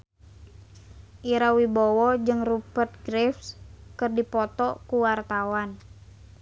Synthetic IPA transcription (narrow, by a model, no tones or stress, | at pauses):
ʔiɾawibɔwɔd͡ʒɨŋrupərt̪̚ɡɾɛfskɨrdipɔt̪ɔkuwart̪awan